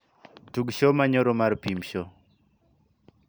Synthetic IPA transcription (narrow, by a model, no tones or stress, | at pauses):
tuɡʃomaɲɔɾomarpimʃɔ